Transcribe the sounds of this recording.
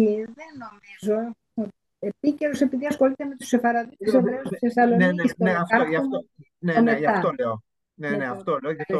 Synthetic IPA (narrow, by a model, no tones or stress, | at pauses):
iðeno̞mizo̞ | epice̞ɾo̞se̞piðiɐsxo̞lit̪eme̞t̪u̥sefɐɾɐðisovɾeosθesɐlonsneɐfɐʝɐo | nemeʝɐɐft̪oleo | neneɐft̪oleoʝɐft̪o